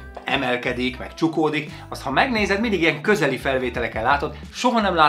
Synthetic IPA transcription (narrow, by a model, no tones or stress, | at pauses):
ɛ̰mɛlkɛd̪ikmɛ̰kt͡ʃukoːd̪ik | ɒst̪hɒmɛɡneːzɛd̪mind̪iɡijɛŋkø̞zɛlifɛlveːt̪ɛlɛkɛllːaːt̪o̞t̪ | ʃo̞ɦɒnɛmlaː